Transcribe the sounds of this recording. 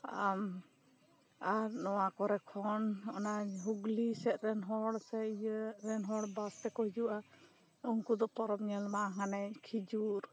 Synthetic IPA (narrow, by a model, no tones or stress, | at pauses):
am | aɾnɔwakɔɾɛkʰɔnɔnaɦuɡlisɛt̪ɾɛnɦɔɽsɛɾɛnɦɔɽbast̪ɛkɔɦid͡ʒuʔa | uŋkud̪ɔpɔɾɔp̚ɲɛlmaɦanɛɲkʰid͡ʒuɾ